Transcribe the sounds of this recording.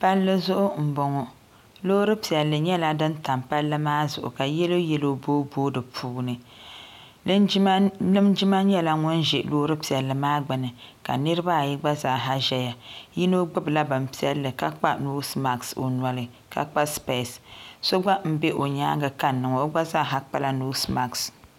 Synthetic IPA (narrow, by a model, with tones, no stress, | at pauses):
pa˦lːɨ˦zʊ˦ʔʊ˦m̩˨bɔ˨ŋɔ˨ | loː˦ɾɨ˦pi˨ɛ˨lːɨ˨ɲɛ˦la˦dɨ˦nta˨mpa˦lːɨ˦maː˦zʊ̰˨ʔʊ̰˨ka˨jɛ˦lo˦jɛ˦lo˦boː˦boː˦dɨ˨pʰuː˦nɨ˨˦ | lɨ˦md͡ʒi˦ma˦ɲɛ˦la˦ŋɔ˦nʒɛ˨loː˦ɾɨ˦pi˨ɛ˨lːɨ˨maː˦ɡ͡bɨ˨nɨ˨ka̰˨nɨ˦ɾɨ˦ba˦˨ji˦ɡ͡ba˦zaː˨˦˨ɦa˦ʒɛ˦ja˨ji˦no˦ɡ͡bɨ˦bɨ˨la˦ba˨m˨pi˦ɛ˦lːɨ˨ka˦k͡pa˦nuː˦sma˨kso̰˨nwa˨lɨ˨ | ka̰˨k͡pa˦spe˦˨sso˦ɡ͡ba˦m̩˦be˦ʔo˨ɲa̰ː˦ɡɨ˨ka˦nːɨ˨ŋɔ˨o˦ɡ͡ba˦zaː˦˨ɦa˦k͡pa˦la˦nuː˦sma˨ks